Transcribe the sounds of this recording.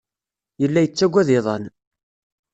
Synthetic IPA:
jəlːæjət͡sːæɡʷːæðeðˤɑn

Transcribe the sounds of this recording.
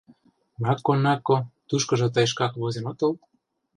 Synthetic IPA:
nɑkːonɑkːot̪uʃkɤ̆ʒɤ̆t̪ɑjʃ̬kɑkβozemot̪ɤ̆l

